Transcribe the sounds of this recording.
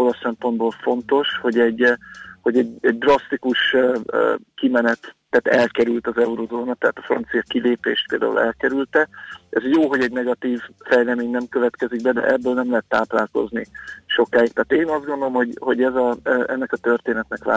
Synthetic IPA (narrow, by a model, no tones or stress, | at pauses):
o̞lɒsːɛmpo̞nd̪̚boːlfo̞nt̪o̞ʃho̞ɟɛɟːho̞ɟɛɟɛɟ̚d̪rɒst̪ikuʃøkimɛnɛt̪ːaːt̪ɛlkɛɾylt̪ɒzɛuɾozoːnɒt̪ɛaːt̪ɒ̥frɒ̰nt̪sijɒkileːpeːʃt̪̚peːld̪a̰ːṵlɛ̰lkɛɾylt̪ɛɛzjoːɦo̞ɟɛɟnɛɡɒt̪iːvfɛjlɛmeːɲnɛmkøvɛt̪kɛziɡ̚bɛd̪ɛ̰ʔɛbːøːlnɛmlɛɦɛt̪ːaːplaːlko̞̰zniʃo̞kaːik̚t̪aːt̪eːnɒzd̪ɡo̞nd̪olomho̞ɟho̞ɟɛzɒʔɛnːɛkɒt̪ørt̪eːnɛt̪nɛkva̰